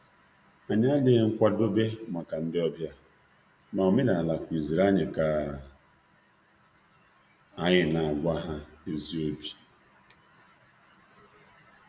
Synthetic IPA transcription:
a˨ɲa˦a˦le˨ŋ̩˦kʷa˦do˦be˦ma˨ka˨n̩˦dɪ˦ɔ˦bja˦ | ma˨o˨me˦da˨a˨la˨kʷi˨zi˨ɾa˦ɲɪ˨kaː˨˦˨ | a˨ɲɪ˨na˨a˨ɡʷa˦ɦa˦e˨zi˦o˦bi̥˨

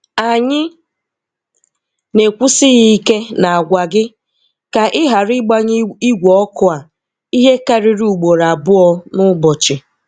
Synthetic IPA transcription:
a˨ɲɪ˦ | ne˨kʷu˦sɪ˦ɣi˦i˦ke˦na˨a˨ɡʷa˨ɡɪ˦ | ka˨ʔɪ˦ɦa˨ɾɪ˦ɡ͡ba˦ɲi˦ɡʷɔ˨ɔ˦kʊ˦a˨ | i˦ɦe˦ka˨ɾɪ˦ɾi˦u˨ɡ͡bo˨ɾa˨bʊ˦ɔ˦nʊ˦bɔ˨t͡ʃɪ˨

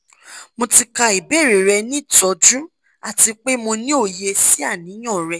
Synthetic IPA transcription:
mõ˧ti˧ka˧i˨be˦˨ɾe˨ɾɛ˧nĩ˦˨tɔ˨˦d͡ʒũ˦ | a˦˨ti˧k͡pe˦mõ˧nĩ˦o˦˨je˧si˦a˦˨nĩ˨˦j̃ɔ̃˦˨ɾɛ˧

